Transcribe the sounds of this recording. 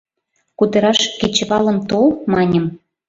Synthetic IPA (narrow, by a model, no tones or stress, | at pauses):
kud̪ə̆ɾɑʃket͡ɕəβɑlə̆mt̪olmɑnʲə̆m